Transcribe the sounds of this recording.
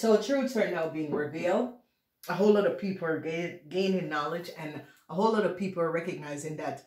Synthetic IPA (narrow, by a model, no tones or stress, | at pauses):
soʊətʰɹ̥ʉtʰãnaʊbiɪ̃ŋɹɪvilˠd | əɦoʊlɔɾʌv̥pʰipl̩ˠə˞ɡɡẽɪ̃nɪ̃nɑlˠɪd͡ʒɨ̃n | ʔəɦoʊlɔɾʌv̥pʰipl̩ˠə˞ɹɛkɨɡ̚naɪzɪ̃ŋðɨt